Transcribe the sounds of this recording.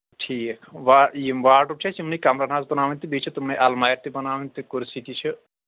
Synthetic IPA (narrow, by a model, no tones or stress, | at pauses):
ʈʰiːkʰʋajimʋaːʈup̚t͡ʃʰɐsimnikamɾanaːsbɐnaːʋinʲt̪ibit͡ʃʰit̪umnɐʔalmajɾt̪ibɐnaːʋint̪ikuɾsit̪it͡ʃʰi